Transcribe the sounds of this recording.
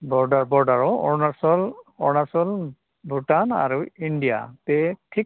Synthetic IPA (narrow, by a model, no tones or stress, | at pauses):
bɔɹdaɹbɔɹdaɹɔɔɹnasɔlɔɹnasɔl | bʱutana̰ɹuindija̰tɛtʰik̚